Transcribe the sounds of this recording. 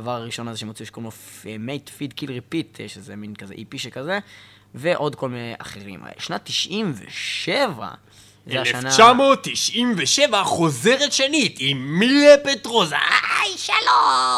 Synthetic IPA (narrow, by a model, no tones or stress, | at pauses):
vaʁaʁiʃo̞nazeʃemot͡sieʃkomofmejt̪fid̪kilʁipitʃezeminkazeʔipiʃekaze | veʔo̞d̪ko̞lmineʔa̰χeʁḭm̰ʃnat̪ːiʃʔimvḛʃeva̰ | zeaʃanat͡ʃamo̞t̪ːiʃʔimveʃe̞vaχo̞zeʁetʃenitimːiepetʁoza̰ajʃalo